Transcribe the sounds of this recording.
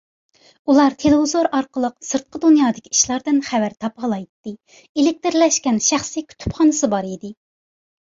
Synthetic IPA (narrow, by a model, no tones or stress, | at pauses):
ulˠɑɾt̪ʰelɪvizoɾɑɾqəlˠəqsɨɾt̪̚qʰəd̪unjɑːd̪ɪkʲiiʃlˠɑɾd̪ɨnχævæɾt̪ʰɑpʁɑlˠɑjt̪ːɨ | elɪk̚ʲt̪ɾlɛʃkʲɛnʃæχsikʲʰy̥t̪ʰy̥pχɑnɨsɨbɑɾid̪ɪ